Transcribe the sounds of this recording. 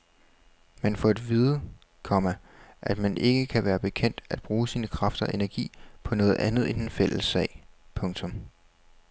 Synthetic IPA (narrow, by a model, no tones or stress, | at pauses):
mænfɒe̝d̥ʋiðˠ | kʰɒ̽mæ | ʔæd̥mænʔe̝ɡ̥əkʰæʋæːɐb̥e̝kʰen̰d̥æd̥̚b̥ʁuːsiːnəkʰʁɑ̈fd̥ɐʔe̝næɐɡ̥ḭːpʰɒ̽nɔ̽ːð̞̩ˠʔænð̞̩ˠend̥enfel̰əsːɛ̰ɪ̰pʰɔ̽ŋt͡sʰɔ̽m